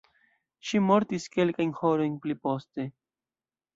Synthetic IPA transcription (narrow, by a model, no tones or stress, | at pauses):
ʃimo̞ɾtiske̞lkajnho̞ɾo̞jnplipo̞ste̞